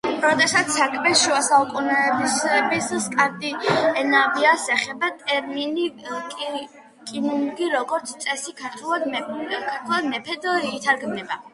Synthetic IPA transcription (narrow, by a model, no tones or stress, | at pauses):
ɾɔd̪ɛsat̪sʰakʼmɛʃuasaukʼunɛːbisɛbisskʼaɾd̪iɛnaviasɛχɛbat̪ʼɛɾminikʼ | kʼinuŋɡiɾɔɡɔɾt̪sʰt̪sʼɛsikʰaɾt̪ʰwɛlˠad̪kʰaɾt̪ʰwɛlˠad̪mɛpʰɛd̪ɔt̪ʰaɾɡmnɛba